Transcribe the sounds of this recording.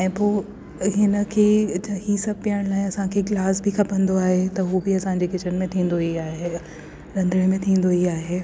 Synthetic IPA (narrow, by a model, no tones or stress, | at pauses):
ɛ̃ːpoː | ɦɪnə̆kʰeːd͡ʑɦisɐb̚ʱpijəɽ̃laːɪ̃ɐsãkʰeːɡlaːsbɪkʰɐpə̃nd̪oaːɦet̪ɐɦubɪɐsãɲd͡ʑeːkɪt͡ɕənmẽt̪ʰĩːn̆d̪oiaːɦe | ɾɐ̃nd̪əɽ̃mẽt̪ʰĩːn̆d̪oiaːɦeː